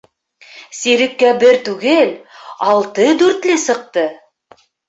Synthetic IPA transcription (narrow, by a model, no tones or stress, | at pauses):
siɾɘ̆kːæbɘɾt̪ʉɡɘlɑlˠt̪ɤd̪ʉɾt̪lɘsɤ̆q̚t̪ɤ